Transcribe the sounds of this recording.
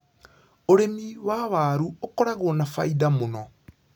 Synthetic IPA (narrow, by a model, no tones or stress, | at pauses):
oɾemiwaβaɾuokɔɾaɣonafa̰idamonɔ